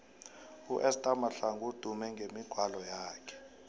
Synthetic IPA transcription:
uʔɛstʼamaɬaŋud̥ʱumɛŋɡʱemiɡ̥ʱwalɔjaːkʰɛ̥

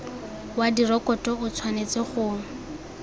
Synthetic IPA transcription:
wadirɔkɔtʼɔʊt͡sʰwanet͡seχʊ

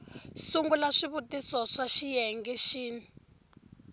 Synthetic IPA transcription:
suŋɡulaʂiβutisɔʂaʃijɛŋɡɛʃiːni

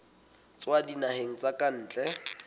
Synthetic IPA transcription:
t͡swadinaheŋ̩t͡sʼakʼan̩ːt͡ɬʼɛ

